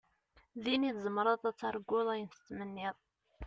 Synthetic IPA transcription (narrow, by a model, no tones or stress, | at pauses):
ðiniθzˤəmɾˤɑðˤæt͡sːɑɾˤɡːʊðˤæjənθə̥t͡sːmənːiðˤ